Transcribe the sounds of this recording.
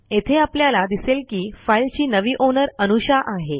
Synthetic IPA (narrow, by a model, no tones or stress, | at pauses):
et̪ʰeapljalad̪iselkiːfailt͡ɕiːnəʋiːʔonəɾənuɕaʔaɦe